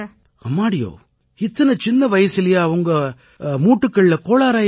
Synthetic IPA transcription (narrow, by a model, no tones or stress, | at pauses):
ɐ̰mːaːɽɪjo̰ː | ɪt̪ːɐnɐt͡ʃɪnːɐʋɐjɐsɪlɐjaːʋɐŋɡɐ | muːʈːɯkːɐɭɪlɐkoːɭaːɾaːj